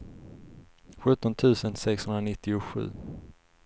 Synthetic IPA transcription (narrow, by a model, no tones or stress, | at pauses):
ɧɵt̪ːɔnt̪ʰʉ̟ːsənsɛkshɵnɾanɪt̪ːɪʊɧʉ̟̰ː